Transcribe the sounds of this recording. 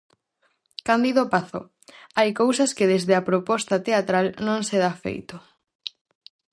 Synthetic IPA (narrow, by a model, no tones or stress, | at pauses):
kand̪iðopaθo̰ | ajkowsɐskɪðezðeɐpɾopɔst̪ɐt̪eat̪ɾalnõŋseðafḛjt̪o